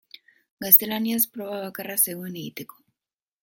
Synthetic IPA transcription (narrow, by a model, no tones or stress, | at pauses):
ɡast̪e̞laniaspɾo̞βaβ̞akarase̞ɣueneɣit̪e̞ko̥